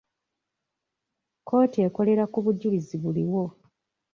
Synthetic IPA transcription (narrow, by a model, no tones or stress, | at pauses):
kʰo̞ːtie̞ko̞le̞ɾakuβuɟuliziβuliwo̞